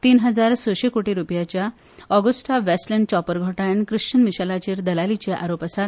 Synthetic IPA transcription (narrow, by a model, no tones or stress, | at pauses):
t̪iːnɦəd͡zaɾsəɕekoʈiɾupjat͡ɕja | ɔɡəsʈʰaʋesʈləɳɖt͡ɕɔpəɾɡʱoʈaɳkɾɨʂt͡ɕənmiɕalat͡ɕeːɾd̪əlalit͡ɕeʔaɾopəsat̪